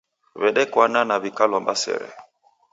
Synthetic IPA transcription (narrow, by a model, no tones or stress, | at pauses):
βɛɗɛkwananaβikalɔmbasɛ̰ɾɛ̰